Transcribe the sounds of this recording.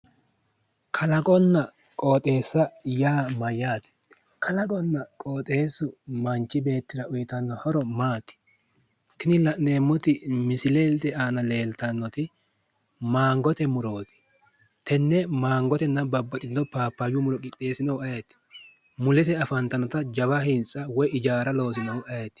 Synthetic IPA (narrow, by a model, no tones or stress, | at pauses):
kʰɐlɐkʼɔnːɐ | kʼo̞ːt̪ʼe̞ːsːɐjaːmɐjːaːt̪ɪ̥ | kʰɐlɐkʼɔnːɐkʼoːt̪ʼe̞ːsːʊmɐnt͡ʃːɪbe̞ːt̪ːɪɾɐʊjɪt̪ɐnːɔhɔɾɔmaːt̪ɪ̥ | t̪ɪnɪlɐʔne̞ːmːɔt̪ɪmɪsɪleːlt̪ɛaːnɐle̞ːlt̪ɐnːɔt̪ɪ | maːŋɡɔt̪ɛmʊɾo̞ːt̪ɪ̥ | t̪ɛnːɛmaːŋɡɔt̪ɛnːɐbɐbːɐt̪ʼɪdːɔpaːpːɐjʊmʊɾɔkʼɪt̪ʼːe̞ːsɪnɐwɐjet̪ːɪ̥ | mʊlɛs̬ɛɐfɐnt̪ɐnɔt̪ɐd͡ʒɐβɐhɪnt͡sʼːɐwɔjɪd͡ʒaːɾɐlo̞ːs̬ɪnɐwʊɐjet̪ːɪ̥